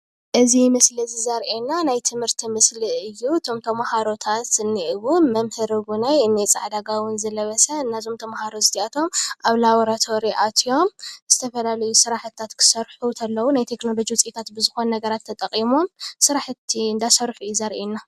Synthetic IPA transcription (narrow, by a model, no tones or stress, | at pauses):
ʔɨzimɨslizizɐɾʔenːanajt̪ʰɨmhɨɾt̪ʰimɨsliɨjːut̪ʰo̞mt̪ʰɐmahaɾo̞t̪ʰat̪ɨnːiʔɨβumɐmhɨɾɡunajɨnːet͡sʼa̰ʕd̪aɡawɨnzɐlɐβɐsɐɨnːazo̞mt̪ʰɐmahaɾozɨt̪ʰiat̪ʰo̞mʔaβlawɾat̪ʰo̞ɾiʔat̪ʰijo̞mz̥ɨt̪ʰɐfɐlalɐjusɨɾaħt̪ʰːat̪kʰɨ̥sɐɾħut̪ʰɐlːɐwunajt̪ʰe̞kno̞lo̞d͡ʒiwʊt͡sʼit̪ʰat̪bɨzɨxo̞nnɐɡɐɾat̪ʰːɐt̪ʼɐχʼimo̞msɨɾaħt̪ʰːiɨnd̪asɐɾħuɨjːuzɐɾʔenːa